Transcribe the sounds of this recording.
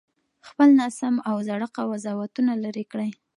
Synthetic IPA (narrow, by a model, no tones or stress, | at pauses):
xpəlnɑsamawzaɽaqawazɑwat̪unalaɾekɽaj